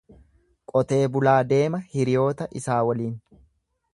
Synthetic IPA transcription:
kʼɔt̪e̞ːbʊlaːd̪e̞ːmɐhɪɾɪjo̞ːt̪ɐʔɪsaːwɐliːn

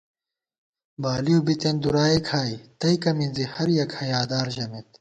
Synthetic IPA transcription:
baːlijubit̪end̪uɾaːikʰaːit̪ɐjkɐminzihɐɾjɐkhɐjaːd̪aːɾʑɐmet̪

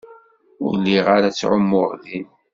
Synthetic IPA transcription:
ʊ̰ɾlːiʁaɾat͡sːʕʊmːʊʁðin

